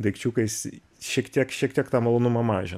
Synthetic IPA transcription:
d̪ɐɪkt͡ʃʲuːkɐɪs | ʃʲiɛkt̪ʲiɛkʃʲiɛk̚t̪ʲiɛkt̪ɑːmɐlˠoːnʊmɐmɑːʒʲɪn

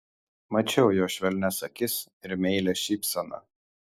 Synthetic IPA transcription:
mɐt͡ʃʲɛʊjoːʃʲʋʲɛlʲnʲɛsɐkʲɪs | ɪɾmʲɛɪlʲɛʃʲipʲsʲɛnɐ̰

